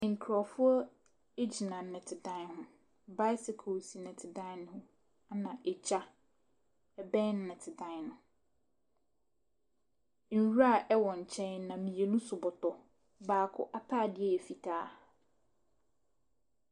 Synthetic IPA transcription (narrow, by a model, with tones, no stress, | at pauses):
ɪ̃˨ŋ̩˨kʰɾɔ˨fʊ˦ɔ˦ | e˦d͡ʑi˨nã˨nɪ̃˨tʰɪ˨dã˦hʊ̃˦˨ | ba˦sɪ˨kʰo˨si˨nɪ̃˨tʰɪ˨dã˦ñ˦hʊ̃˦ | a˦nã˨ʔɛ˨t͡ɕʰa˦ | ɛ˨bɛ̃˦n˦nɪ̃˨tʰɪ˨dã˦nʊ̃˨ | n̩˨wa˦˨ʔɛ˦wɔ̃˨ɲ̩˨t͡ɕʰɛ̃˦nã˨mĩ˨e˨nũ˦sʊ˨bɔ˨tɔ˨ | baː˨kʰʊ̰˦ʔa˦pʰaː˦˨dɪ˦ɛ˦˨e˨fi˨tʰaː˦